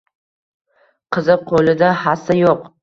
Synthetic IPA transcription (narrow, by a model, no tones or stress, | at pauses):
qʰɨzɪp̚qʰolɪd̪ahasajoq